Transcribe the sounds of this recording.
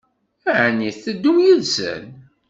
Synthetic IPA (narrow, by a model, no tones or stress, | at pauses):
æʕnːiθθəd̪ːumjəðsə̰n